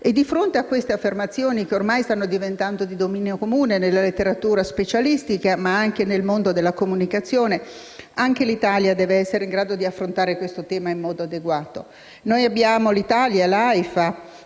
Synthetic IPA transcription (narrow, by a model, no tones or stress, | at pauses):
ed̪ːifɾont̪eakːwest̪eafːermat̪sːjoːnik̟eormajst̪anːod̪ivent̪and̪od̪id̪omiːneokomuːnenelːalet̪ːeɾat̪uːɾaspet͡ʃalist̪ikamaaŋkenelmond̪od̪elːakomunikat̪sːjoːne | aŋk̟elit̪aːljad̪ɛːveɛsːeɾeiŋɡɾaːd̪od̪iafːɾont̪aːɾekwest̪ot̪ɛːmaimːɔːd̪oad̪eɡwaːt̪o | nojabːjaːmolit̪aːljalajfa